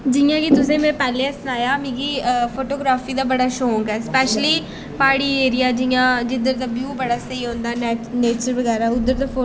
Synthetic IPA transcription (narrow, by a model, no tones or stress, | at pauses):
d͡ʒɪjãːkit̪ʊsẽːmɛ̃ːpɛːlẽsnaːjaːmĩːɡiːəfʰoːʈoːɡɾaːfiːd̪aːbəɽaːʃoːɦõːŋɡɛːspɛːʃliː | paːɽiːeːɾijaːd͡ʒɪjãːd͡ʒɪd̪əɾd̪aːbjuːbəɽaːsəiːɦõːnd̪aːnɛːneːt͡ʃəɾʋəɡɛːɾaːʊd̪əɾd̪aːo